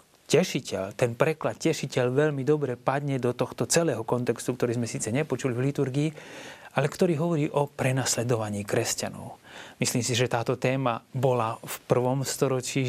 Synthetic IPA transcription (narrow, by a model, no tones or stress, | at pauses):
cɛʃicɛlt̪ɛnpɾɛklat̪̚cɛʃicɛʎʋɛʎmid̪ɔbɾɛpad̪ɲɛd̪ɔt̪ɔxt̪ɔt͡sɛlɛːɦɔkɔnt̪ɛkst̪ukt̪ɔɾiːzmɛsiːt͡sɛɲɛpɔt͡ʃulivlit̪uɾɡiːalɛkt̪ɔɾiːɦɔʋɔɾiːʔɔpɾɛnaslɛd̪ɔʋaɲiːkɾɛsca̰nɔ̰ʊmisliːmsiʒɛt̪aːt̪ɔt̪ɛːmabɔlafpr̩ʋɔmst̪ɔɾɔt͡ʃiː